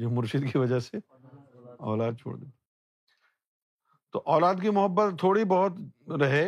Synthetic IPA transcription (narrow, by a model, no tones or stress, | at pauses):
d͡ʒoːmʊɾʃɪd̪kiʋɐd͡ʒəse | ɔ̰ːlaːd̪̚t͡ʃʰo̰ːɽd̪ḛːt̪ | t̪oːʔɔːlaːd̪kimʊɦəbːət̪ʰːoːɽibɔɦʊt̪ɾɐɦe